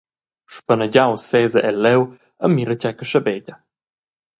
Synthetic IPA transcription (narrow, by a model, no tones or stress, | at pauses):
ʃpənəɟawsɛzəʔɛlːɛw | əmːiɾət͡ɕɛkəʃəbɛɟə